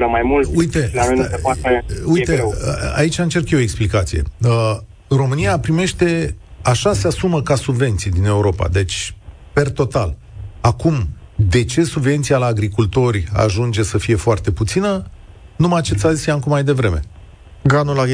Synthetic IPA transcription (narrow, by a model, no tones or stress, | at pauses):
ləmajmultujt̪e̞aoaeuj̪ea̰it͡ʃaɨnt͡ʃe̞rkjeoeksplikat̪sije̞̰ə | ro̞mɨnijapɾime̞ʃt̪e̞aʃase̞asuməkasubve̞nt̪sijd̪ine̞uɾo̞pa̰d̪e̞t͡ʃʲ | pe̞rt̪o̞t̪al | akumd̪e̞t͡ʃe̞subve̞nt̪sialaːɡɾikult̪o̞ɾʲa̰ʒund͡ʒe̞səfije̞foart̪e̞put̪sinə | numajat͡ʃe̞t̪sazʲjamkumajd̪e̞vɾe̞me̞̰ | ɡɾanula